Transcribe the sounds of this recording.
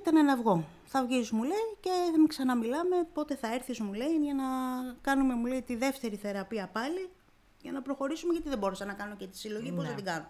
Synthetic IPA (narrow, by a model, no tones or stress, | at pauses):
t̪enenɐvɣo̞ | θɐvʝizmuleice̞emksɐnɐmilɐme̞po̞t̪e̞θɐeɾθizmuleinʝɐnɐkɐnume̞muleit̪iðe̞ft̪e̞ɾiθe̞ɾɐpiɐpɐli | ʝɐnɐpɾo̞xo̞ɾisumeʝɐt̪iðebo̞ɾesɐnɐkɐno̞cet̪i̥silo̞ʝipozðet̪iɡɐno